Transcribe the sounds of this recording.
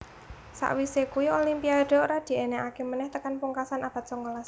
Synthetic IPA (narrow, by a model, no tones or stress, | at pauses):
sa̰ʔwisekujuolimpiad̥oɾad̪̥i̤eneʔakemənɛht̪əkanpuŋkasanab̥a̤t̪̚sɔŋolas